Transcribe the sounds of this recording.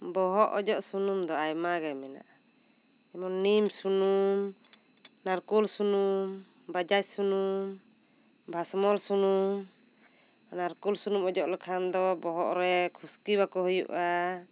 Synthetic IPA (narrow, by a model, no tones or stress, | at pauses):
bɔɦɔʔɔd͡ʒɔʔsunumd̪ɔajmaɡajmɛna̰ʔ | ɛmɔnnimsunum | naɾkulsunum | bad͡ʒac̚sunum | bʱasmɔlsunum | naɾkulsunumɔd͡ʒɔʔlɛkʰand̪ɔbɔɦɔʔɾɛkʰuskibakɔɦɔjṵʔa